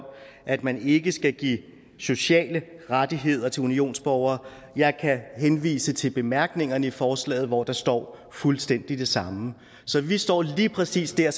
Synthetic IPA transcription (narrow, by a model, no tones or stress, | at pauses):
m | ʔæd̥mæne̝ɡ̥əsɡ̥æɡ̥ḭː | so̝ɕɛ̰ːləʁad̥iɦe̝ð̞̰ˠɐt͡sʰe̝lunio̝̰ːnsb̥ɒʊɐː | jɑ̈ɪkʰæɦenʋḭːsət͡sʰe̝lb̥e̝mæɐɡ̥ne̝ŋɐnəifɒːslɛ̰ːɪð̩ˠʋɒd̥ɑ̈sd̥ɒ̰ː | fulsd̥en̰d̥id̥e̝sɑ̈mə | sɒ̽ʋisd̥ɒ̰ːliːpʰʁɛsḭːsd̥æɐ̰